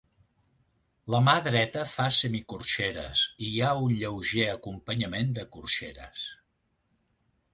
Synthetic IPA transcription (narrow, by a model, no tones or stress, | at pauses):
ləmaðɾɛt̪əfasəmikurʃeɾə̰siaunʎəwʒeəkumpəɲəmend̪əkurʃeɾə̰s